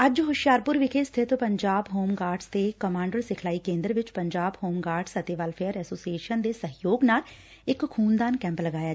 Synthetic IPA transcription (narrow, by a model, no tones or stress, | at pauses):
əd͡ʒɦʊʃjaːɾpʊɾʋɪkʰeːst̪ʰɪt̪pəɲd͡ʒaːbɦoːmɡaːɾɖst̪eːkəmãːɳɖəɾsɪkʰlaːiːkẽːnd̪ɾəʋɪt͡ʃpəɲd͡ʒaːbhoːmɡaːɾɖsət̪eːʋəlpʰejəɾɛːsoːsieːʃənd̪eːsəɦjoːɡnaːl | ɪkkʰːuːnd̪aːnkɛ̃ːmpləɡaːjaː